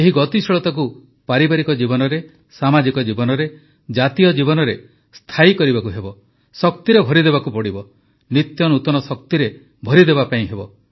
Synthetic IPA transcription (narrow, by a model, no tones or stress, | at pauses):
eɦiɡɔt̪isɔɭɔt̪ɔk̬u | paɾibaɾikɔd͡ʒibɔnɔɾe | samad͡ʒikɔd͡ʒibɔnɔɾe | d͡ʒat̪ijɔd͡ʒibɔnɔɾe | st̪ʰaikɔɾibakuɦebɔ | sɔkt̪iɾebʱɔɾid̪eβakupɔɽibɔ | nit̪jɔnut̪ɔnɔsɔk̚t̪iɾe | bʱɔɾid̪eβapaĩɦebɔ